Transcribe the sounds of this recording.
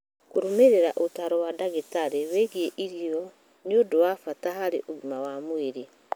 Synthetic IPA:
koɾomeɾeɾaʔotaɾowadaɣetaɾeweɣieʔiɾiɔ | ɲodowafataɦaɾḛʔoβimawamoeɾe

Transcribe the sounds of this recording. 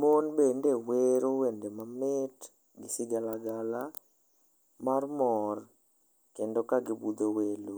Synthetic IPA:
monbendeweɾowendemamɪt | ɡɪsɪɡalaɡala | marmɔr | kendokaɡɪbud̪owelo

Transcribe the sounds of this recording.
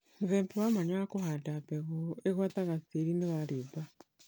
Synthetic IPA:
muðeːmpiwamaɲakuhatapeɣoeɣwataɣasiɾineβaɾiba

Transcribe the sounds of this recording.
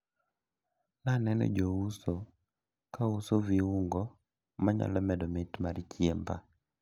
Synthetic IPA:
nanɛnɔ̰d͡ʒouso | kausoviuŋɡɔ | maɲa̰lɔmɛdɔmɪtmaɾit͡ʃjemba̰

